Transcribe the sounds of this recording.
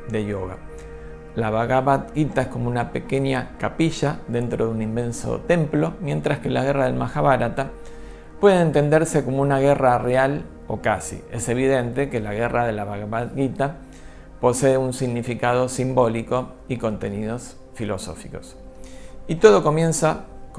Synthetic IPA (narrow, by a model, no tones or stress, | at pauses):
d̪ejoɣa̰ | laβaɣaβat̪̚ɡit̪aesko̞mounapekeɲakapiʃaðe̞nt̪ɾoðeunimːẽ̞nso̰t̪e̞mplo̞mje̞nt̪ɾaske̞laɣeraðe̞lmaxaβaɾat̪a | pwe̞ð̞eːnt̪e̞nd̪eɾse̞ko̞mo̞unaɣe̞rareal | o̞kasḭese̞β̞iðe̞nt̪e̞kelaɣeraðe̞laβaɣaβat̪ɣit̪a | po̞seːunsiɣnifikað̞o̞simbo̞liko | iko̞nt̪e̞nið̞o̞s | filo̰so̞̰fiko̞s | it̪o̞ð̞o̞ko̞mje̞nsak